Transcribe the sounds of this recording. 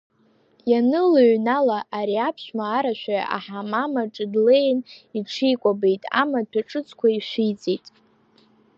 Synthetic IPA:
janɨlɨɥnalaʔaɾiapʰʃʷᶣmaːɾaʃᶣaa̰a̰ħamamaʈ͡ʂʼɨdlejniʈ͡ʂʰijkʷʼabejtʼa̰matʰaʈ͡ʂʼɨt͡sʰʼkʷʰaiʃʷit͡sʼejtʼ

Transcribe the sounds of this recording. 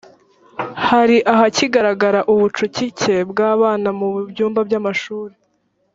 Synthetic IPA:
haɾiʔaɦaciɡaɾaɡaɾaʔuβut͡ʃucice̞bɡaːβaːnamuβbɟuːmbabɟamaʃuːɾe

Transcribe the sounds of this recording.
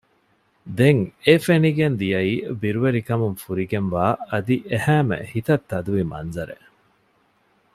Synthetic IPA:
d̪eŋefeniɡend̪ijɐiːbiɾuʋeɾikɐmuŋfuɾiɡenʋaːɐd̪iʔehæːmḛhit̪ɐt̪ːɐd̪uʋimɐ̰nzɐɾḛ

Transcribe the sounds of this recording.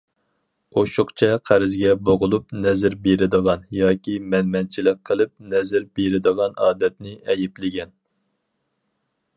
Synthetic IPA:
oʃʊqt͡ʃʰɛqʰæɾɪzɡʲɛboʁʊlˠupnɛzɪɾbeɾɪd̪əʁɑnjɑːkʲʰimɛnmɛnt͡ʃʰilɪk̚ʲqʰːəlˠɨp̚nɛzɪɾbeɾɪd̪əʁɑnɑːd̪ɛt̪̚nɪʔɛjɪplɪɡʲɛn

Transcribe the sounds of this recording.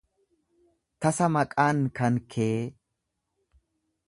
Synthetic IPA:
t̪ɐsɐmɐkʼaːnkɐnkʰeː

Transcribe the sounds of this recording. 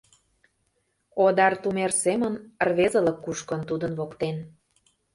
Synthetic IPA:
od̪ɑrt̪umersemənrβezə̆lə̆kːuʃkə̆nt̪ud̪ənβokt̪en

